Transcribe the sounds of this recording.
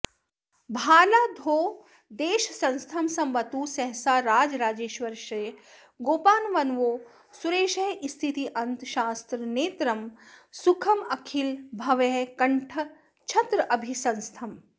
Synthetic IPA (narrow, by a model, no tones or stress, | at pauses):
bʱaːlaːd̪ʱoː | d̪eːʃsɐ̃nst̪ʰɐmsɐmʋɐt̪uːsɛɦsaːɾaːd͡ʒɾaːd͡ʒeːʃʋɐɾʃɐj | ɡoːpaːnʋɐnʋoː | suɾeːʃɐɦist̪ʰit̪iʔɐnt̪ʃaːst̪ɾəneːt̪ɾɐmsukʰɐmɐkʰilbʱɐʋɛːkɐɳʈʰə | t͡ʃʰɐt̪ɾəʔɐbʱisɐ̃nst̪ʰɐm